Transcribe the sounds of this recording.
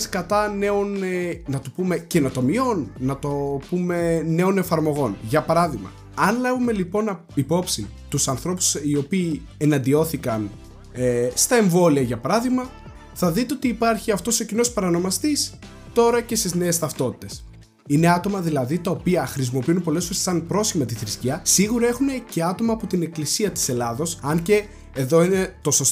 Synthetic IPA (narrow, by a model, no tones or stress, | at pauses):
skɐt̪ɐne̞o̞nnɐt̪upume̞cenot̪o̞mio̞nːɐt̪o̞pume̞ne̞o̞ne̞fɐɾmo̞ɣo̞nʝɐpɐɾɐðiɣmɐ̰ | ɐnlɐvume̞lipo̞n | ipo̞psit̪usɐnθɾo̞pu̥sio̞piː | e̞nɐnd̪io̞θikɐn | st̪ɐe̞ɱvo̞liɐʝɐpɐɾɐðiɣmɐ | θɐðit̪eo̞t̪iːpɐɾçiɐft̪o̞secino̞spɐɾɐno̞mɐst̪is | t̪o̞ɾɐce̞st̪izne̞ːst̪ɐft̪o̞t̪i̥t̪e̞s | ine̞ɐt̪o̞mɐðilɐðit̪ɐopiɐxɾis̬imo̞piunpo̞lesfo̞ɾe̞sːɐnpɾo̞sçimɐt̪iθɾisciɐsiɣuɾɐe̞xune̞ce̞ɐt̪o̞mɐːpo̞t̪ine̞klisiɐt̪i̥se̞lɐðo̞sɐnce̞ː | ðo̞ine̞t̪o̞so̞s